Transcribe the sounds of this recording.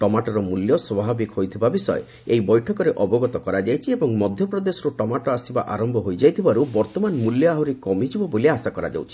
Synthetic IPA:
ʈɔmaʈɔɾɔmuljɔswɔbʱabikhojt̪ʰibabisɔḛ | ejbɔjʈʰɔkɔɾeʔɔbɔɡɔt̪ɔkɔɾad͡ʒajt͡ʃʰiebɔŋmɔd̪ʱjɔpɾɔd̪esɔɾuʈɔmaʈɔasiba̰ʔaɾɔmbʱɔɦojd͡ʒajt̪ʰibaɾubɔɾt̪ɔmanmuljɔaɦuɾikɔmid͡ʒibɔboliasakɔɾa̰d͡ʒa̰wt͡ʃʰi̥

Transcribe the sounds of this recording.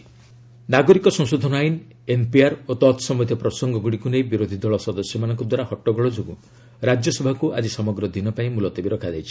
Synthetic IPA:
naɡɔɾikɔsɔŋsod̪ʱɔnɔajn | empiaɾot̪ɔt̪sɔmɔd̪ʱjɔpɾɔsɔŋɡɔɡuɽikunejbiɾod̪ʱid̪ɔɭɔsɔd̪ɔsjɔmanɔŋkɔd̪waɾahɔʈːɔɡɔɭɔd͡ʒoɡu | ɾad͡ʒjɔsɔbʱakuʔa̰d͡ʒisɔmɔɡɾɔd̪inɔpaĩmulɔt̪ɔbiɾɔkʰad͡ʒajt͡ʃʰi̥

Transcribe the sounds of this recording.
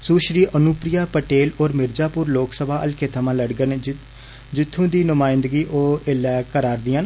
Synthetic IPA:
suːʃɾiːʔənʊːpɾɪjaːpəʈeːloːɾmɪɾd͡ʒaːpʊːɾloːksəbʱaːʔəlkʰeːt̪ʰəmãːləɽɡən | d͡ʒɪt̪ʰːũːd̪iːnʊmaːɪnd̪ɡiːʔoːɪlːɛːkəɾaːɾd̪iːãn

